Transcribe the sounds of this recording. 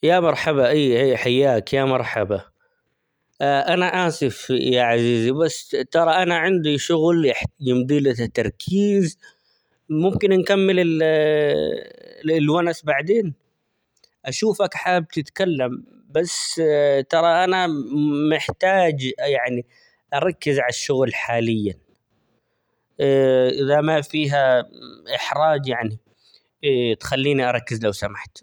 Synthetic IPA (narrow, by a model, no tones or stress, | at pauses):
jamɑɾˤħabaʔiːiːħajːaːkjamɑɾˤħaba | ʔanaʔaːsɪfjaʕaziːzibasːt̪ɑɾˤɑʔanaʕɪnd̪iʃʊɣlħjɪmd̪ˤiːlat̪ːɑɾˤkʰiːz | mʊmkɪnʔankamːɪlɪ | lwanasbaʕd̪eːn | ʔaʃuːfakħaːb̚t̪ɪt̪kalːam | bast̪ɑɾˤɑʔanamɪħt̪aːd͡ʒjaʕni | ʔɑɾˤɑkːɪzʕalaʃːʊɣlħaːlɪjːa | ʔɪðamafiːɦaʔɪħɾˤɑːd͡ʒjaʕni | t̪xalːiːniʔɑɾˤɑkːɪzlawsamaħt̪